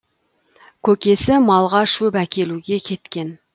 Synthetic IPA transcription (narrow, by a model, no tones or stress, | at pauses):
kʲʰɵkʲe̞sɪmɑlˠʁɑʃupækʲe̞luɡʲe̞kʲʰe̞t̪kʲe̞n